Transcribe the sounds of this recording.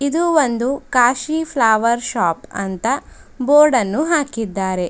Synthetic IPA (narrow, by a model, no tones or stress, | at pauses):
id̪uʋond̪ukaːʃipʰlaːʋɐɾʃaːpɐ̰nt̪ɐ | boːɾɖɐnːuɦaːkid̪ːaːɾe̞